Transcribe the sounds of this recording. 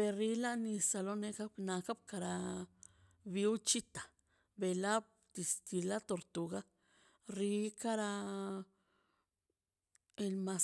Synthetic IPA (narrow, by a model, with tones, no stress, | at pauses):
be˨ɾi˧˦la˦ni˧sa˧lo˦ne˧ka˦bna˧ka˦b̚ka˧ɾa˧ | bi˧u˦t͡ʃi˦t̪ḁ˨ | be˨la˦b̚ | d̪i˨sk̪i˨la˦t̪o˨ɾt̪u˨ɡa˦ | ɾi˧˦ka˦ɾa˧ | e˧lma˧s